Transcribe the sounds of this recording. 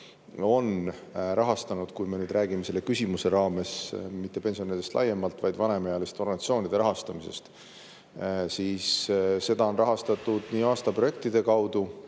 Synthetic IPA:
o̞n | ɾɑɦɑst̪ɑnud̪̥kujme̞nyːd̪̥ɾʔæːɡimese̞lːe̞kysʲimuse̞ɾɑːme̞smit̪ːe̞pe̞nsio̞nid̪est̪lɑ̰je̞mɑlt̪vɑjd̪vɑne̞mɑjɑlist̪o̞rɡɑnɑt̪sio̞ːnid̪̥e̞ɾɑɦɑst̪ɑmise̞̰st̪ | siːsːe̞d̪̥ɑo̞nrɑɦɑst̪ɑt̪ːud̪̥niːɑːst̪ɑpro̞je̞k̚t̪id̪e̞kɑwd̪̥u

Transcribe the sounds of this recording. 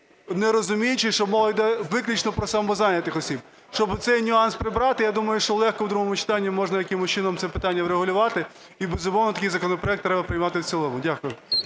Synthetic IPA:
neɾɔzʊmʲijʊt͡ʃɪʃt͡ʃɔmɔlˠɔjd̪ɛʋɪklʲit͡ʃnɔpɾɔsɑmɔzɑnʲɐt̪ɪxɔsʲib | ʃt͡ʃɔbɪt̪sɛjnʲʊɑnspɾɪbɾɑt̪ɪjad̪umɐjʊʃt͡ʃɔlˠɛxkɔwd̪ɾuɦɔmʊt͡ʃɪ̥t̪ɑnʲːimɔʒnɐjɐkɪmʊst͡ʃɪnɔmt̪sɛpɪt̪ɑnʲːɐwɾeɦʊlʲʊʋɑt̪ɪ | ibezʊmɔwnɐt̪ɐkɪjzɐkɔnɔpɾɔjɛk̚t̪ɾɛbɐpɾɪjmɑt̪ɪwt̪ʲilˠɔmʊdʲakʊjʊ

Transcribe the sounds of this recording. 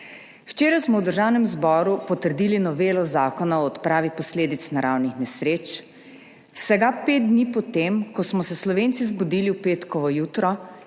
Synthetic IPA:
wt͡ʃeːɾajsmɔwd̪əɾʒaːwnɛmzbɔːɾupɔt̪əɾd̪iːlinɔʋeːlɔzaːkɔnaɔːt̪pɾaːʋipɔsleːd̪it̪snaɾaːwnixnɛsɾeːt͡ʃ | wsɛɡapeːt̪̚d̪niːpɔt̪emkɔsmɔsɛslɔʋeːntsizbɔd̪iliwpeːt̪kɔʋɔjuːt̪ɾɔ

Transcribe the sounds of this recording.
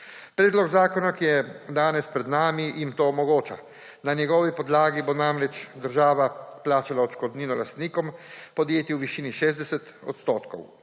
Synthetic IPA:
pɾɛːd̪lɔɡzaːkɔnakijɛd̪aːnɛspɾɛd̪naːmijimt̪oːmɔɡoːt͡ʃa̰ | nanjɛɡɔːʋipɔd̪laːɡibonamɾɛt͡ʃd̪əɾʒaːʋaplaːt͡ʃalaɔʃkɔd̪niːnɔlast̪niːkɔmpɔd̪jeːt̪iwʋiʃiːniʃeːzd̪ɛsɛt̪ɔ̰t̪st̪oːt̪kɔ̰w

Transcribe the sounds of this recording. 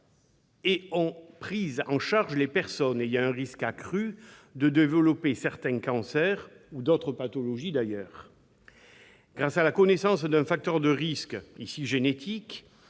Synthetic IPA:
eɔ̃pχizɑ̃ʃaʁʒəlepɛʁsɔnejɑ̃ɛ̃ʁiskakχyd̪əd̪evəlɔpesɛʁt̪ɛ̃kɑ̃sɛʁ | ud̪ɔt̪χəpat̪ɔlɔʒid̪ajœːʁ | ɡ̥ʁasalakɔnesɑ̃sd̪ɛ̃fak̚t̪œʁd̪əʁiskisiʒenet̪ʰik

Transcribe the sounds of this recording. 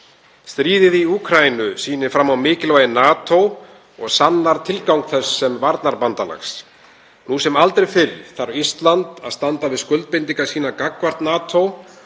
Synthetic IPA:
st̪ɾiːðɪðiuːkʰɾajinʏsiːnɪfɾamːawmɪːcɪlvajɪnaːt̪ʰow | ɔɣsanːaɾ̥t̪ʰɪlkawŋkθɛsːɛmvaɾt̪naɾpant̪ala̰xs | nusɛmalt̪ɾejfɪɾθaɾist̪lant̪aðst̪ant̪avɪðskʏlt̪̚pɪnt̪iŋkḁsiːnakakvar̥t̪naːt̪ʰow

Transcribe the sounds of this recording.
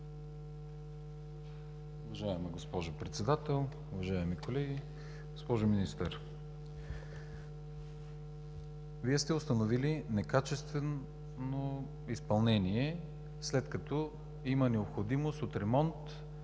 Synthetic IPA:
ʊvɐʒaɛmiɡospɔʒopɾɛt̪sɛd̪at̪ɛlˠ | ʊvɐʒaɛmikolɛɡʲi | ɡospɔʒominist̪əɾ | viɛst̪ɛost̪ɐnovilinɛkat͡ʃɛst̪vɛn | no | ispɐlˠnɛniɛ | slɛt̪kɐt̪ɔ | imənɛopxod̪imost̪ot̪ɾɛmɔnt̪

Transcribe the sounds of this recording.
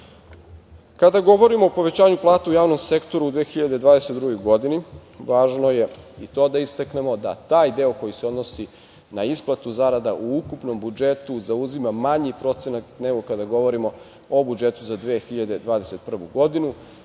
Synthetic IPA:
kad̪aɡo̞ʋo̞ɾimo̞ːpo̞ʋe̞t͡ɕaːɲuplˠaːt̪aujaːʋno̞mse̞kt̪o̞ɾaud̪ʋeːxiʎad̪ed̪ʋaːd̪ese̞t̪d̪ɾuɡo̞jɡo̞d̪iniʋaːʒnoje̞it̪o̞ːd̪aist̪akne̞mo̞d̪a̰t̪aːjd̪e̞o̞ko̞jiseo̞d̪no̞si | naisplˠat̪uzaɾad̪aʔuukupno̞mbud͡ʒet̪uzauzimamaɲipɾo̞t̪se̞nakneɡo̞kad̪aɡo̞ʋo̞ɾimo̞ | obud͡ʒet̪uzad̪ʋexiʎad̪e̞d̪ʋaːd̪e̞se̞t̪pr̩ʋuɡo̞d̪inu

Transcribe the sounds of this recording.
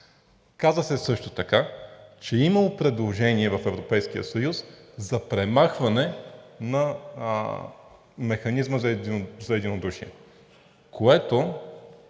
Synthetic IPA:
kazəsɛsɤʃt̪ot̪ɐkat͡ʃɛimɐlˠopɾɛd̪lˠoʒɛniɛvɐfɛvɾopɛjsk̟ijə̰sɐjuszɐpɾɛmaxvɐnɛnɐ | mɛxɐnizməzɐɛzɐɛd̪inod̪uʃiɛ̰ | kʰoɛt̪o

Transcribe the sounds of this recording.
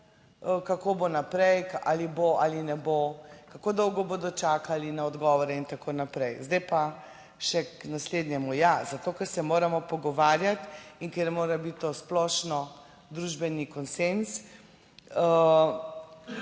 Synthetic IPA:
kakobonapɾɛjaliboʔalinɛbokakoːd̪ɔwɡɔboːd̪ɔt͡ʃaːkalinaɔd̪ɡɔːʋɔɾɛint̪akoːnapɾɛjzd̪ɛjpa | ʃɛknasled̪nʲɛmujazat̪oːkɛɾsɛmoːɾamɔpɔɡɔʋaːɾjat̪iŋkɛɾmoːɾabit̪ːosplɔʃnɔ | d̪ɾuʒbɛnikɔnsens | ə

